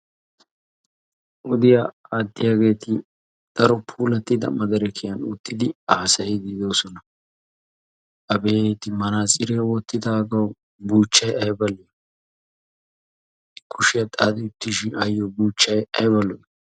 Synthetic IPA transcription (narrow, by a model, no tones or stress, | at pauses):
ʔɔd̪ɪjaad̪ːɪjaɡe̞ːt̪ɪ | d̪̥ɐɾɔpʰuːlɐt̪ːɪd̪ɐ̰mɐd̪ɐɾɛkʰɪjɐnʊt̪ːɪd̪ɪaːsɐjɪɡɪd̪o̞ːsɔnɐ | ɐbeːt̪ɪmɐnaːsʼɪɾewɔt̪ːɪd̪aːɡɐw | buːt͡ʃːɐjɐjbɐlːɪj | kʰʊʃɪjɐt̪ʼad̪ɪʊt̪ːɪʃɪnɐjːɔbuːt͡ʃːɐjɐ̰jbɐlːɔ